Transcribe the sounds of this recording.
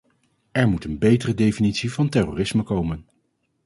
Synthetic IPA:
ɛɹmutənbejtərədejfinitsivɑntɛro̰ːrɪsməkowmən

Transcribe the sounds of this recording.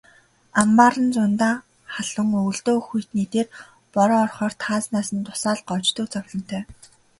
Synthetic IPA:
ampaːɾə̆nt͡sʊnt̪aː | χaɮʊ̆ŋɵwɮt̪oːxujt̪niːt̪eːr | pɔɾɔːrχɔːr̥t̪ʰaːt͡snaːsə̆nt̪ʊ̥saːɮɢɔt͡ɕt̪ŭkt͡sɔwɮɞ̆n̥t̪ʰœː

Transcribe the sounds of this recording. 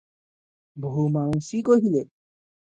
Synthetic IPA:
bɦumaũsikoɦile

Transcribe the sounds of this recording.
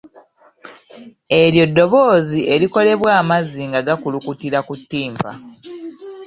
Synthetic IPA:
e̞ɾjo̞dːo̞βo̞ːziʔe̞liko̞le̞βwaːmazːiŋɡaɡakulukutiɾakutːiːmpa̰

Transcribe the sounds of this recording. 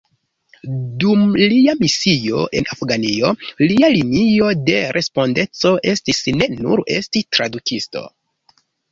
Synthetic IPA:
dumliamisio̞̰ʔe̞nafɡanio̞lialinio̞de̞ɾʔe̞spo̞nde̞t͡so̞ʔe̞stisne̞nṵɾe̞̰stitɾadukʰisto̞̰

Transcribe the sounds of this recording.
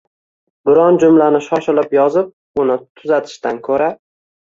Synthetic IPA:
bɪɾɒnd͡ʒʊmlanɪʃɒʃɪlɪpjɒzɪp̚ | ʊnɪt̪ʰʊzat̪ʰɪ̥ʃt̪ankʰɵɾa

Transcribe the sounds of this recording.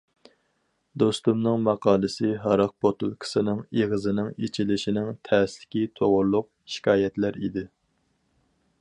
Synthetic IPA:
d̪ost̪umnɨŋmɑqʰɑːlˠɨsɪɦɑɾɑq̚pot̪ulˠkʰɪ̥sɨnɨŋeʁəzɨnɪŋet͡ʃʰilɪʃinɪŋt̪ʰɛːslɪ̥kʲit̪ʰoʁʊɾlˠʊq̚ | ʃi̥kʲʰɑːjɛt̪læɾḭd̪ɪ

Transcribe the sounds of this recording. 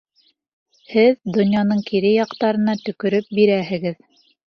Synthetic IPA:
hɘðd̪ŏnjɑnɤɴkiɾɘjɑqt̪ɑɾɤ̆nɑt̪ɵ̆kɵ̆ɾɵp̚biɾæɦɘ̆ɡɘð

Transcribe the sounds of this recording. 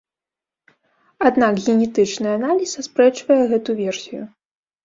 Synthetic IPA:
ad̪nakɣʲɛnʲɛt̪ɨt͡ʂnɨɐanalʲisɐspɾɛt͡ʂvɐjɛɣɛt̪uvʲɛrsʲijṵ

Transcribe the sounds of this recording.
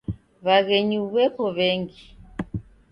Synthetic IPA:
βaɣɛɲiβwɛkɔβɛŋɡi

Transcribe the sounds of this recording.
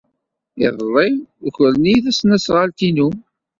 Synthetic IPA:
ɪðˤlˤːɪçəɾniθæsnæsʁalt̪inu

